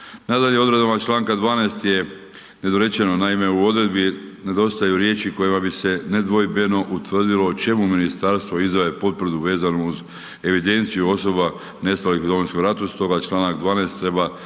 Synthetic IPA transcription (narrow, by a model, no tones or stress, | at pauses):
nad̪aʎeo̞d̪ɾe̞d̪amat͡ʃlˠaːŋkad̪ʋaːnaːst̪je | ne̞d̪oɾe̞t͡ʃe̞nonaime̞uo̞d̪ɾe̞d̪bine̞d̪o̞st̪ajuɾje̞ːt͡ʃiko̞jimabise̞ne̞d̪ʋo̞jbeno̞ʔut̪ʋrd̪ilo̞t͡ʃe̞muminist̪aɾst̪ʋoizaʋepo̞t̪vr̩d̪uʋe̞ːzanouz | e̞ʋid̪e̞nt̪sijuo̞so̞ba | ne̞st̪alixud̪o̞ʋojskomɾat̪ust̪o̞ɡat͡ʃlˠaːnakd̪ʋaːnest̪ːɾe̞ba